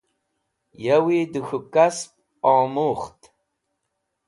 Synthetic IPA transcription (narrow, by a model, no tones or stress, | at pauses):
jɛwiːdɨxʷʊkʼaspʼ | ɑːmuːχtʰʼ